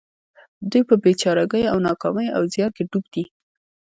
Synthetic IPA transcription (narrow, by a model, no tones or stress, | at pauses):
d̪ujpəbet͡ʃɑɾaɡəjawnɑkɑməja̰wzjɑnkeɖubd̪̥i